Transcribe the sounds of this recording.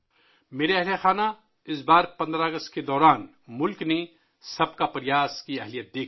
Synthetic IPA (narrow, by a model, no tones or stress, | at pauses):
meːɾeɛɦlaxaːna | ɪsbaːɾpɐ̃nd̪ɾaɡəst̪ked̪ɔːɾaːn | mʊlkne | sɐb̚kapɐɾɪjaːskiɛɦlijət̪̚d̪eːk